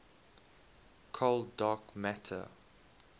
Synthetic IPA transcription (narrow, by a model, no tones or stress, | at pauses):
kʰɔldaːkmætʰə̰